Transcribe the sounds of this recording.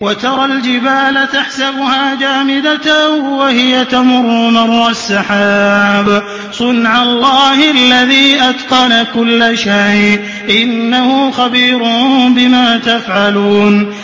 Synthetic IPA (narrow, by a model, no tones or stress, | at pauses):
wat̪ɑɾˤɑld͡ʒɪbaːlat̪aħsabʊhaːd͡ʒaːmɪd̪at̪wahɪjat̪amʊɾːʊmɑɾˤːɑsːɑħaːb | sˤʊnʕalˤːɑːhɪalːaðiːʔad̪qɑnakʊlːaʃajʔ | ʔɪnːahʊxabiːɾʊbɪmaːt̪afʕaluːn